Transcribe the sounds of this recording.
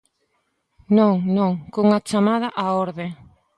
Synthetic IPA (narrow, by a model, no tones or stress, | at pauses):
nõŋnõŋkoŋat͡ʃamaðɐʔaoɾðe